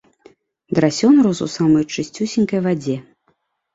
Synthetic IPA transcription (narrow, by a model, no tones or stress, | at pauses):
d̪ɾasʲɔnɾɔsṵsamɐjt͡ʂɨsʲt͡sʲusʲinʲkɐjvad͡zʲɛ